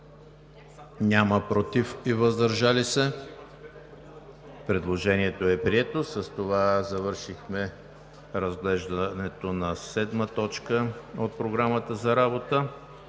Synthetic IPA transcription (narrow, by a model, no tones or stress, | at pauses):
nʲaməpɾot̪ifivəzd̪ɐɾʒalisɛ | pɾɛd̪lˠoʒɛniɛt̪oɛpɾiɛt̪osəst̪ovazɐvɤɾʃixmɛ | ɾəzɡlɛʒd̪ənɛt̪onɐsɛd̪mət̪ɔt͡ʃkəot̪̚pɾoɡɾamət̪əzɐɾabot̪ə